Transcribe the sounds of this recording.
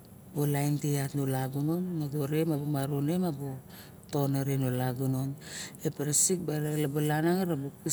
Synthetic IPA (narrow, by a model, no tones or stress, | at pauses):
bolajnteatnolaɡunonŋaɡoɾemabomaɾonemabo | to̞naɾenolaɡunonepeɾasik̚baɾalabolanaŋaɾaboki